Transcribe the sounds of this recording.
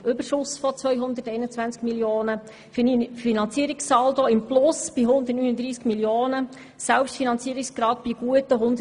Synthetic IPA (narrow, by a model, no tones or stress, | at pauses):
ʔʏbəɾʃʊsfɔt͡sʋœjɦʊnd̪ərtɛɪnət͡sʋænt͡skmiljoːnə | ffinɑnt͡siəɾiksːɑːldoːɪmplʊsb̥iɦʊnd̪ətnyːnəd̪ɾiːskmiljoːnə | sɛlpʃtfinɑnt͡siəɾikskɾɑːt̚b̥iɡ̥uətəɦʊndə